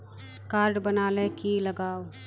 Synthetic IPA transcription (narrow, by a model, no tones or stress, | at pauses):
kaːɾɖbɐnaːlekilɐɡaːo